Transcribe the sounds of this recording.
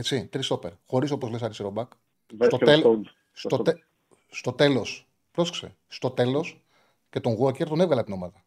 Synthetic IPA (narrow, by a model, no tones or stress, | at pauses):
et͡sit̪ɾist̪o̞peɾxo̞ɾiso̞pozlesɐɾisiɾobɐk | st̪ot̪el | st̪oe | st̪o̞t̪e̞lo̞s | pɾo̞se̥ksḛ | st̪o̞t̪e̞lo̞s | ce̞t̪o̞ŋɣuɐceɾt̪o̞ne̞vɣɐlɐpt̪no̞mɐðɐ